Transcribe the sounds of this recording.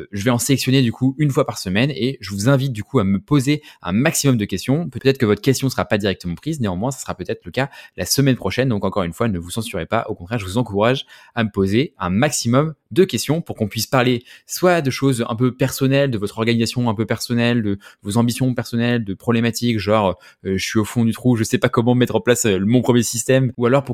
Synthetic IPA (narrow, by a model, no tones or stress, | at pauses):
ʒəvɛɑ̃selɛksjɔned̪ykʰuynfwapaʁsəmɛneʒəvuzɛ̃vit̪̚d̪ykuaməpozeɛ̰̃maksimɔmd̪əkʲɛst̪jɔ̃pøt̪ɛt̪χəkəvɔt̪χəkʲɛst̪jɔ̃səʁapad̪iʁɛk̚t̪əmɑ̃pχizneɑ̃mwɛ̃sḁsəʁapøt̪ɛt̪χləkalʔa̰səmɛnpχɔʃɛnd̪ɔ̃kɑ̃kɔʁynfwanəvusɑ̃syʁepa̰ʔokɔ̃t̪χɛʁʒəvuzɑ̃kuʁaʒ | aməpozeɛ̃maksimɔmd̪əkʲɛst̪jɔ̃puʁkɔ̃pɥispaʁleswad̪əʃozɛ̰̃pøpɛʁsɔnɛld̪əvɔt̪χɔʁɡanizasjɔ̃ɛ̃pøpɛʁsɔnɛld̪əvozɑ̃bisjɔ̃pɛʁsɔnɛld̪əpχɔblɛmat̪ikʒɔʁø | ʒəsɥiofɔ̃d̪yt̪χuʒəsɛpakɔmɑ̃mɛt̪χɑ̃plasømɔ̃pχəmjesist̪ɛmualɔʁpu